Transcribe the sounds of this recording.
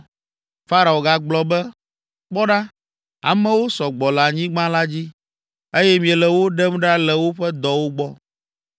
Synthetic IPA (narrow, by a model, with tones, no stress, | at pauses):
fa˦ɾa˨o˨ɡa˨ɡ͡blɔ˨bɛ˦ | k͡pɔ˦ɖa˦ | a̰˨mɛ̃˦wo˦sɔ˨ɡ͡bɔ˨la˨ɲĩ˦ɡ͡bã˦la˦d͡ʑi˦ | e˦jɛ˦mĩ˨ɛ˨lɛ˨wo˦ɖɛ˦mɖa˦lɛ˨wo˦ɸɛ˦d̪ɔ˦wo˦ɡ͡bɔ˦